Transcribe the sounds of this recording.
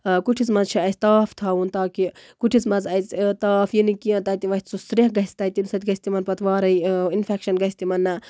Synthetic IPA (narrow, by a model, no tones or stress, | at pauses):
kuʈʰit͡smɐzt͡ʃʰiɐsʲt̪aːft̪ʰaunt̪aːkikuʈʰit͡smɐzɐjt͡st̪aːfjinikiɐ̃t̪ɐt̪iʋɐt̪ʲsusɾeɦɡɐɦist̪ɐt̪insɐt̪ʲɡɐsʲt̪imɐnpɐt̪ʰʋaːɾɐiinfʰekʃɐnɡɐisʲt̪imɐnːɐ